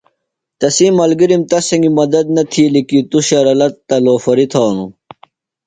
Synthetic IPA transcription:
t̪ɐsimɐlɡiɾimt̪ɐsɐŋɡimɐd̪ɐd̪nɐt̪ʰiːlikit̪uɕɐɾɐlɐt̪ːɐloːfɐɾit̪ʰaːnṵ

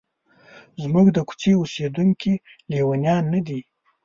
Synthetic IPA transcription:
zmʊɡd̪əku̥t͡sieused̪uŋki | lewanjɑnːad̪i

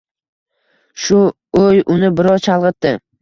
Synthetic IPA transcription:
ʃʊ | ojʊnɪbɪɾɒwt͡ʃʰɑlˠʁɨt̪ːɪ

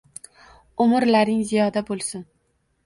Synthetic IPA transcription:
ʊmɪɾlaɾnɪŋzijɒd̪abolˠsɪn

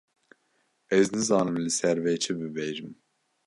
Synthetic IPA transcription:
ɛznɨzɑːnɨmlɨsɛɾvɛjt͡ʃʰɛbɨbɛʒɨm

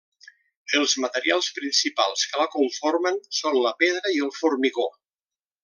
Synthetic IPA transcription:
əlˠzmət̪əɾialˠspɾinsipa̰lˠskələkuɱfoɾmənsonləpeð̞ɾəiəlˠfurmiɣo

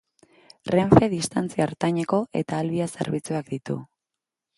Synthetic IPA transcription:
re̞ɱfe̞ðist̪ant͡siaːɾt̪aɲeko̞ʔe̞̰t̪aːlβiase̞̰ɾβit͡suak̚d̪it̪ṵ

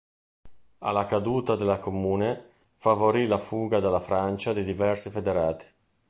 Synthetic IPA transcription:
a̰lakad̪uːt̪ad̪elakomuːne | favoɾilafuːɡad̪alafɾant͡ʃad̪id̪ivɛrsifed̪eɾaːt̪i̥

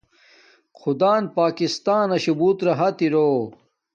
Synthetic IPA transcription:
xʰud̪aːnpaːkist̪aːnɐɕubuːt̪ɾɐɦɐt̪iɾoː

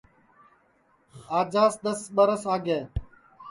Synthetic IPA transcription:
aːd͡ʒaːsd̪əsɓəɾəsaːɡeː

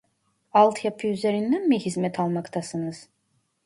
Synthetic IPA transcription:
alˠt̪ʰjapʰɯyzeɾind̪ænmihizmɛt̪ʰalˠmakt̪ʰasɯnɯz̥

